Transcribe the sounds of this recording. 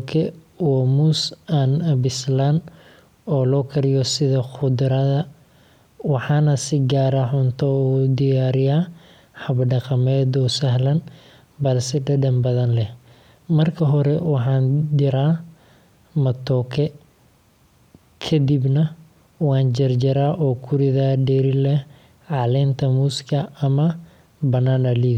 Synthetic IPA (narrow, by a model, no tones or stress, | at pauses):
kʰɛ | wɔmuːsanɐbɪslan | ɔːlɔːkʰɐɾɪjɔsɪðɐxʊd̪ɾɐðɐ | wɑħɑːnɐsɪɡaːɾɐħʊnt̪ʰɔuːd̪ɪjaːɾɪjaː | ħɐbɖɑqɑmɛːd̪ɔːsɐɦlɐn | bɐlsɪɖɐɖɐmbɐðɐnlɛ | mɐrkʰɐɦɔɾɛwɑħɑːnd̪ɪɾaː | mɐt̪ʰɔːkʰɛ | kʰɐd̪ibnɐ | wɑːnd͡ʒɐrd͡ʒɐɾaːʔɔːkʰʊɾɪðɐɖɛɾɪlɛ | ʕɑlɛːnt̪ʰɐmuːskʰɐːmɐ | bɐnaːnɐliː